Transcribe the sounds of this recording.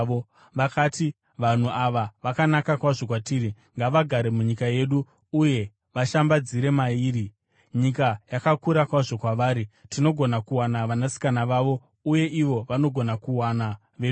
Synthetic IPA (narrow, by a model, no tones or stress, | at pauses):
o | ʋakaːti | ʋan̤uaʋaʋakanakakwaʐo̞kwatiːɾi | ŋɡaʋaɡʱaɾe̞muɲikaje̞ɗu | uje̞ | ʋaʃambad͡ziɾe̞maiːɾi | ɲikajakakuɾakwaʐo̞kwaʋaːɾitino̞ɡʱo̞nakuwanaʋanasi̥kanaʋaʋo̞ | uje̞ʔiʋo̞ʋano̞ɡʱo̞nakuwana | ʋe